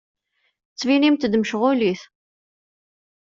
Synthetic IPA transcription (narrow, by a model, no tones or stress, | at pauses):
t͡sːvinimt̪d̪məʃʁʊliθ